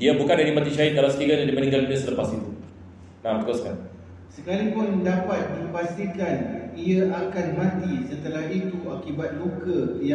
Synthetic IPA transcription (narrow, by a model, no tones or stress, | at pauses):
iabukandaɾimat̪it͡ʃait̪̚kalasə̥k̪iɾadad͡ʒimənĩŋɡalunəsət̪ərpast̪it̪u | nãmt̪əkaska̰n | səkalipʊndapat̪̚dipast̪ikaniaʔakanɦãt̪isət̪əlaɦit̪uakibat̪̚lukəj